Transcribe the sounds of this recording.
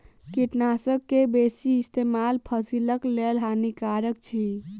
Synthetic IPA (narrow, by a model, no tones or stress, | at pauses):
kiʈnasəb̚kːebesiːst̪emalpʰəsiləklelɦanikaɾək̚t͡ʃʰi